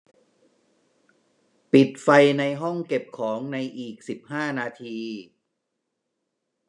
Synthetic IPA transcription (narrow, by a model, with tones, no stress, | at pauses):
pi˨˩t̪̚fa˧jna˧jɦɔ˥˩ŋke˨˩p̚kʰɔː˩˦ŋna˧jʔiː˨˩k̚si˨˩p̚haː˥˩naː˧t̪ʰiː˧